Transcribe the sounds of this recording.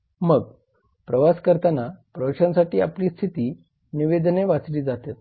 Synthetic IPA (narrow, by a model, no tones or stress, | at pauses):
məɡ | pɾəʋaskəɾt̪anapɾəʋəɕãnsaʈiːa̰pliːst̪ʰit̪iː | niʋed̪neʋat͡sliːd͡zat̪et̪